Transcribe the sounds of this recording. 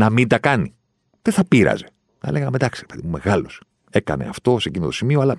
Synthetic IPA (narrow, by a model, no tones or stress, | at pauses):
nɐmind̪ɐkɐni | ðeθɐpiɾɐ̰ze̞ | nɐ̰le̞ɣɐmed̪ɐksiɾepe̞ðimume̞ɣɐlos | e̞kɐ̰ne̞̰ɐft̪o̞seciniot̪o̞simioɐlɐ